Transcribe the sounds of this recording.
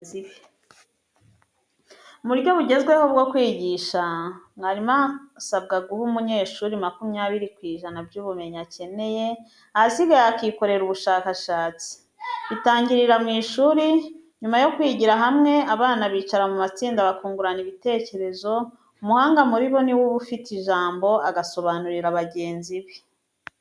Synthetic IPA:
ie | muɾɟo̞βuɟe̞zɡwe̞ho̞b̚ɡo̞kwiːɟiʃamŋaɾimasab̚ɡaɡuhumuɲe̞ʃuɾimakumjaːβiɾikwiːʒanabɟuːβume̞ɲace̞ne̞je̞ | aziɡajakiko̞ɾe̞ɾuβuʃaːkaʃaːt͡si̥ | itaːɲɟiɾiɾamŋiːʃuːɾi | ɲumajo̞kwiːɟiɾaɦamŋe̞aβaːnaβiːt͡ʃaɾamumat͡siːndaβakuːŋɡuɾaniβite̞ce̞ɾe̞zo̞ | umuhaːŋɡamuɾiβo̞niwuβufitiʒaːmbo̞aɡaso̞βanuɾiɾaβaɟe̞ːnziβi

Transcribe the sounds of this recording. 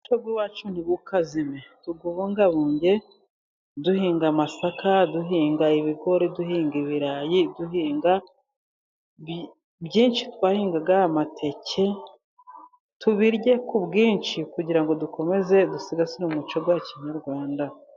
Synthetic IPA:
ut͡ʃoɡwiwaːt͡ʃun̥iβukazimetuɡuβuŋɡaβuːɲɟe̞ | duhiːŋɡamasakaduɦiːŋɡaiβiɡo̞ɾeduhiːŋɡiβiɾajiduɦiːŋɡa | bɟiːnt͡ʃi̥twaːhiːŋɡaɡahamatʰe̞cʰe̞ | tuβiɾɟe̞kubɡiːnʃikuɟiɾaŋɡo̞duko̞me̞ze̞dusiɡasinomut͡ʃoɡwaciɲaɾɡwaːnda

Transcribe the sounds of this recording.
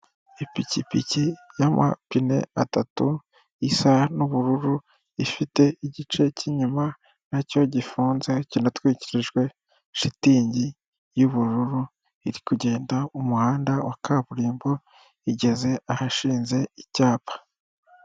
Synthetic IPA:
ipicipicijamʔa̰pine̞̰atatu | isanuβuɾuɾu | ifite̞iɟit͡ʃe̞ciɲuma | naco̞ɟifuːnzecinatwiːciɾiʒɡwe̞ | ʃitiːɲɟi | juβuɾuɾu | iɾikuɟe̞ːndaumuhaːndawakaβuɾiːmbo̞ | iɟe̞ze̞ahaʃiːnze̞icaːpḁ

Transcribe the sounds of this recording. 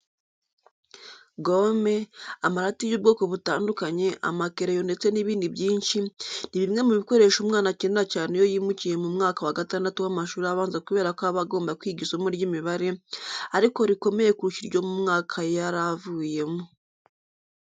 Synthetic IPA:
ɡome̞amaɾatijuːb̚ɡo̞ːko̞βutaːndukaɲe̞ʔa̰makeɾejo̞nde̞t͡se̞niβiːndibjiːnʃiniβimŋe̞muβiko̞ɾe̞ʃumŋaːnaceneɾacaːne̞jo̞jiːmucije̞mumŋaːkawaɡataːndatuwamaʃuːɾijaβaːnzakuβe̞ːɾakoaβaɡo̞ːmbakwiːɡisomuɾɟimiβaɾe̞aɾiko̞ɾiko̞me̞je̞kuɾuʃiɾɟo̞mumŋaːkʰajaɾavuːje̞mo

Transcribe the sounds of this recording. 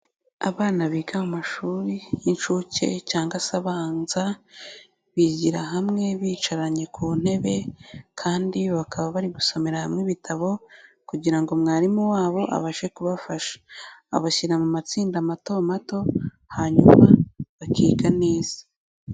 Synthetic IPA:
a̰βaːnaβiːɡaumaʃuːɾijint͡ʃuce̞̰caːŋɡasaβanza | βiɟiɾaɦamŋe̞βiːt͡ʃaɾaɲe̞kʰuːn̥he̞βe̞kʰaːndiβakʰaβaβaɾiɡusomeɾahamŋeβitʰaβo̞ | kuɟiɾaŋɡo̞mŋaːɾimuwaːβo̞ʔa̰βaʃe̞kuβafaʃe̥a̰βaçiɾamumat͡siːndamato̞mato̞ | haːɲuma̰βakʰiːɡaneːz̥ḁ

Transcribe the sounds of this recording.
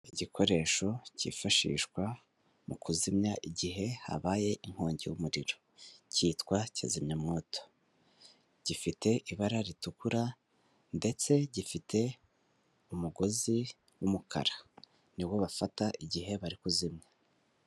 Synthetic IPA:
iɟikʰo̞ɾe̞ːʃo̞cḭːfaʃḭːʃkwa | mukʰuzimɲaʔiɟiɦe̞ha̰βaːje̞ʔiŋ̥ho̞ːɲɟejumuɾiɾo̞ | ciːtkwaca̰zimɲamŋo̞ːto̥ | ɟ̥ifite̞ʔiβaɾaɾitukuɾa | nde̞t͡se̞ɟifitʰe̞ | umuɡo̞zi | wumukʰa̰ɾa | niβwo̞βafataʔiɟiɦe̞βaɾikuzimɲa

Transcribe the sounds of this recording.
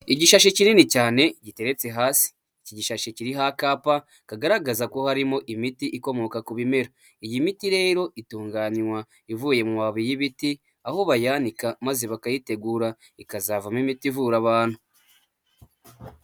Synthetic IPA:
iɟiʃaʃecininicaːne̞ɟite̞ɾe̞t͡se̞ɦaːsi̥ːciɟiʃaʃeciɾiɦakaːpa | kaɡaɾaɡazako̞haɾimo̞ʔimitiʔiko̞mo̞kakuβime̞ɾo | ijimitiɾe̞ːɾo̞ʔituːŋɡaːnwa | ivuje̞mumaβijiβiti | aho̞βajanikamazeβakajite̞ɡuːɾa | ikazavamimitivuːɾaβaːn̥hu

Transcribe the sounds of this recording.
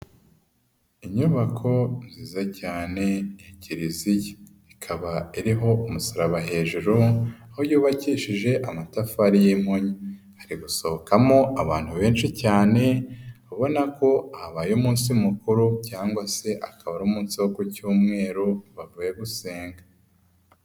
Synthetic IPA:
iɲuβakʰo̞nziːzacaːne̞jiciɾizije | ikʰaβaiɾiɦo̞umusoɾaβaɦe̞ːʒuɾuahojuːβaciːʃiʒe̞ʔamatafaɾijim̥hoɲi | haɾiɡuso̞βokʰamo̞aβa̰ːn̥huβe̞ːnʃicaːne̞aβo̞nako̞ahaβajomuːnsimukuɾucaːŋɡwase̞ʔa̰kaβaɾoːmuːnsiwokucuːmŋe̞ːɾoβavuːje̞ɡuse̞ːŋɡa

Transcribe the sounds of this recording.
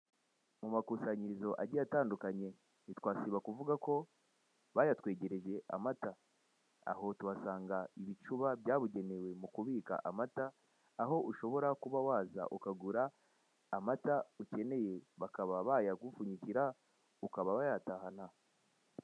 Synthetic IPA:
mumakusaɲizo̞ʔaɟijataːndukaɲe̞ | nitwaːsiβakuvuɡako̞ | βajatwe̞ːɟe̞ɾe̞ʒe̞ʔa̰mata | a̰ɦo̞tuβasaːŋɡaiβit͡ʃuβabjaːβuɟe̞newe̞mukuβiːka̰ʔamataː | ɦo̞ʔuʃo̞βo̞ɾakuβawaːza̰ʔukaɡuɾaː | matauce̞ne̞je̞βakaβaβajaɡufuɲiciɾa | ukaβaβajatahana

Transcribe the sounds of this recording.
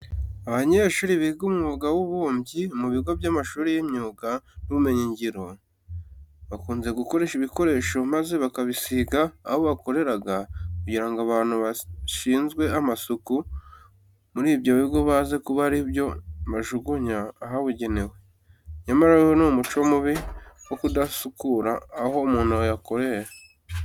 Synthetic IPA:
aβaɲe̞ʃuːɾiβiɡumuβuɡawuβuːmbɟimuβiɡo̞bjamaʃuːɾijemɲuːɡanuβume̞ɲiɲɟiɾo̞ | βakuːnze̞ɡuko̞ɾe̞ːʃiβiko̞ɾe̞ːʃo̞maze̞βakaβisiɡaːβoβako̞ɾe̞ɾaɡakuɟiɾaŋɡaβaːn̥huβaʃiːnzɡwe̞amasuku | muɾiːβjoβibɡo̞βaːze̞kuβaɾiβjo̞βaʒuɡuɲaːɦaβuɟe̞ne̞we̞ | ɲamaɾajonomut͡ʃo̞muβiwokudasukuɾaːɦo̞muːnaojako̞ɾe̞ɾa

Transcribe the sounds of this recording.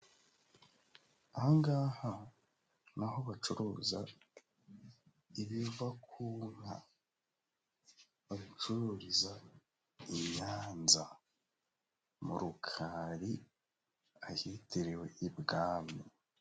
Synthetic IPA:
ahaŋɡaːha | naɦo̞βat͡ʃuɾuːza | iβiuvakʰuːŋ̥a̰ | βaβit͡ʃuɾuːɾiza | iɲaːnza | mṵɾukʰaɾi | ahitʰiɾewe̞ibɡaːmi

